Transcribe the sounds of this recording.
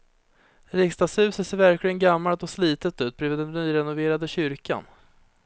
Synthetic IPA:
ɾɪkst̪ashʉ̟ːsət̪seːɾvæɾklɪɡənɡamːalt̪ɔsliːt̪ət̪ʉ̟ːt̪̚bɾyːvɪd̪ɛnnyːɾɛnʊveːɾad̪əɕʏɾka̰n

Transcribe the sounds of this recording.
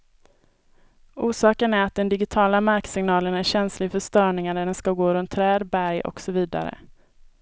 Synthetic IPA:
ʔuːʂɑːkənæɾat̪̚d̪ɛnd̪ɪɡɪt̪ʰɑːlamaɾksɪŋnɑːlənæɕɛnslɪɡfœʂt̪œːɳɪŋaɖ̪æɖɛnskaɡoːɾɵnt̪ʰːɾɛːd̪bæɾjʔɔ̰ksɔviːd̪a̰ɾə̰

